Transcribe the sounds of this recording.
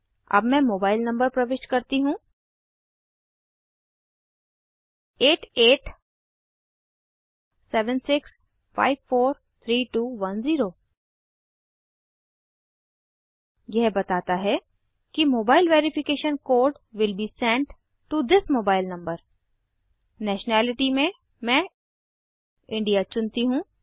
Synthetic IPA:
ɐ̰bmɛ̃moːbaːɪlnɐ̃mbəɾpɾɐʋɪʃʈkɐɾt̪iɦũ | eːʈeːʈ | sɛːʋə̃nsɪks | fa̰ːɪʋfoːɾ | t̪ʰɾiːʈuːʋɐ̃nziːɾoː | jɛɦbɐt̪aːt̪aɦɛ | kimoːbaːɪlʋeːɾɪfɪkeːʃə̃nkoːɾɖ | ʋɪlbiːsɛ̃ɳʈ | ʈud̪ɪsmoːbaːɪlnɐ̃mbəɾ | nɛːʃənɛːlɪʈimẽ | mɛ̃ | ʔɪ̃ɳɖijat͡ʃʊ̃nt̪iɦũː

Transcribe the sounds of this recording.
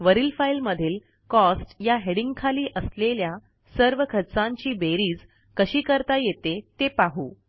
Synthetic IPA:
ʋəɾiːlfailməd̪ʱiːl | kɔsʈjaɦeɽiŋɡ̚kʰaliːʔəslelja | səɾʋəkʰət͡sãɲt͡ɕiːbeɾiːd͡z | kəɕiːkəɾt̪ajet̪et̪epaɦu

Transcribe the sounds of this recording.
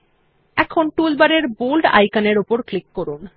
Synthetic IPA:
ɛkʰonʈulbaɾeɾbulɖa̰jkaneɾupoɾklikːoɾun

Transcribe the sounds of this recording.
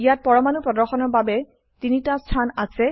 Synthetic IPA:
ijat̚pɔɹɔmanupɹɔdɔɹxɔnɔɹbabɛ | tinitastʰanasɛ

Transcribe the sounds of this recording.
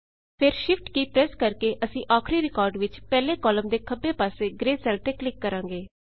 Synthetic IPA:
pʰɪɾʃɪfʰʈkiːpɾɛːskəɾkeːʔəsĩːʔaːkʰɾiːɾɪkɔːɾɖʋɪt͡ʃpɛːleːkɔːləmd̪eːkʰəbeːpaːseːɡɾeːsɛːlt̪eːklɪkːəɾãːŋɡeː

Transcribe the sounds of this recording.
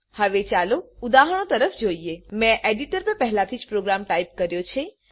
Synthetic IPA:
həʋet͡ʃaloud̪aɦəɽ̃ot̪əɾəfd͡ʒoiemɛ̃ʔeɖiʈəɾpə̃pəɦlat̪ʰid͡ʒpɾoɡɾamʈaip̚kəɾjot͡ʃʰe

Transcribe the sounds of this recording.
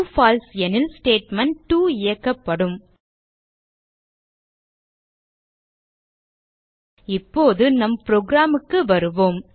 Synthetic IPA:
faːlsɛnɪlsʈeːʈmɐɳʈːuːɪjɐkːɐpːɐɽɯm | ɪpːoːðɯnɐmpɾoːɡɾaːmɯkːɯʋɐɾɯʋoːm

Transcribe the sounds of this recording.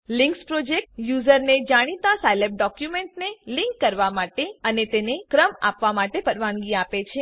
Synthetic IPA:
lɪŋkspɾod͡ʒek̚ʈjuzəɾned͡ʒaɽ̃it̪ãsajlep̚ɖɔkjumẽɳʈnelɪŋkːəɾʋamaʈeənet̪enekɾəma̰pʋamaʈepəɽʋãŋɡiapet͡ʃʰe

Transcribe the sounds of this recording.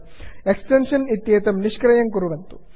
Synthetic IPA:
eksʈenʂɐnit̪ːjeːt̪ɐmniʂkɾɐjɐŋkuɾuʋɐnt̪u

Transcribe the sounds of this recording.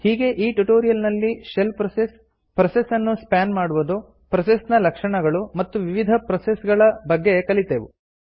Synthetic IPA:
hiːɡe̞ʔiːʈuʈoːɾijɐlnɐlːiʃelpɾɐses | pɾɐsesɐnːuspaːnmaːɽuʋud̪u | pɾɐsesnɐlɐkʂɐɳɐɡɐɭumɐt̪ːuʋiʋid̪ʱɐpɾɐsesɡɐɭɐbɐɡːe̞kɐlit̪eʋu

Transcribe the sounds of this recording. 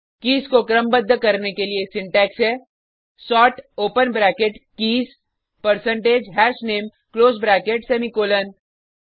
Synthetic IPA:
kiːzkokɾəmbəd̪ʱːəkɐɾnekeliesɪ̃ɳʈɛːksɦɛː | sɔːʈoːpənbɾɛːkeʈkiːz | pɐɾsə̃ɳʈeːd͡ʒɦɛːʃneːm | kloːzbɾɛːkeʈsɛːmikoːlən

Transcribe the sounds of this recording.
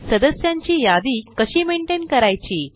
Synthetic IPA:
səd̪əsjaɲt͡ɕiːjad̪iːkəɕiːmeɳʈenkəɾajt͡ɕiː

